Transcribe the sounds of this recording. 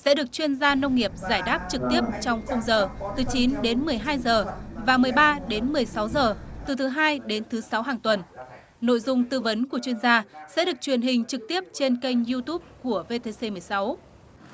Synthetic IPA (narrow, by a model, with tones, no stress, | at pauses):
sɛ̰˧˥ɗɨ˨˩ək̚t͡ɕwi˧ənzaː˧nə˧wŋ͡mŋi˨˩əp̚zaː˧˩jɗaː˦˥p̚t͡ɕɨ˨˩k̚t̪i˦˥əp̚t͡ɕɔ˧wŋ͡mxə˧wŋ͡mzəː˨˩t̪ɨ˨˩˦t͡ɕi˨˦nɗe˨˦nmɨ˨˩əjɦaː˧jzəː˨˩vaː˨˩mɨ˨˩əjɓaː˧ɗe˨˦nmɨ˨˩əjsa˨˦wzəː˨˩t̪ɨ˨˩t̪ʰɨ˨˦ɦaː˧jɗe˨˦nt̪ʰɨ˨˦sa˨˦wɦaː˨˩ŋt̪wə˨˩n | no̰˧˨jzʊ˧ŋ͡mt̪ɨ˧və˨˦nku˧˩ət͡ɕwi˧ənzaː˧sɛ̰˧˥ɗɨ˨˩ək̚t͡ɕwi˨˩ənɦï˨˩ŋ̟t͡ɕɨ˨˩k̚t̪i˦˥əp̚t͡ɕe˧nkə˧jŋ̟zi˧t̪u˦˥p̚ku˧˩əve˧t̪e˧se˧mɨ˨˩əjsa˨˦w